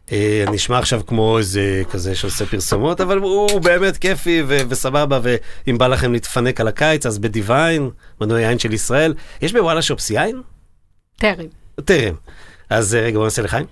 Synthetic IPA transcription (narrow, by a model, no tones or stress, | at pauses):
eaniʃmaːχʃavkmo̞ezekazeʃeosepiʁsumo̞tavaluːbe̞ːme̞tke̞fivevesababave̞imbalaχe̞mlit̪fane̞kalakajt͡sazbedivajnmanuajajnʃe̞lisʁae̞ljeʃbewalaʃopsajn | t̪eʁemteʁḛmazeʁeɡabonaseleχajm